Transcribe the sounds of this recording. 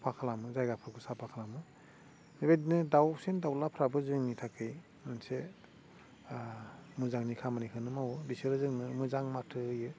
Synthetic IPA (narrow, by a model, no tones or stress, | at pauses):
pʰakʰalamɯzajɡapʰɯɾkʰusapʰakʰalamɯ | nebedinɯdawsendawlapʰɾabɯzɯŋnitʰakʰej | mɯnse | mɯzaŋnikʰamanikʰɯnɯmawbisɯɾɯzɯŋnɯmɯzaŋmatʰɯɯjɯ